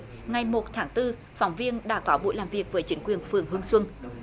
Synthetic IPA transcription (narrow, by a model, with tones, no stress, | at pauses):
ŋa˨˩jmo˨˩t̚t̪ʰaː˨˦ŋt̪ɨ˧ | fa˨˦wŋ͡mvi˧ənɗa̰ː˧˥kɔ˨˦ɓo̰˧˨jlaː˨˩mvi˨˩ək̚vəː˨˦jt͡ɕï˨˦ŋ̟kwi˨˩ənfɨ˨˩ənɦɨ˧əŋswə˧ŋ